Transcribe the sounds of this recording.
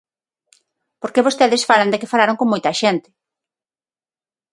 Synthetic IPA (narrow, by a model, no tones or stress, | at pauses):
poɾkeβost̪ɛðɪsfalɐnd̪ɪkɪfalaɾoŋkoŋmojt̪ɐʃent̪ɪ̥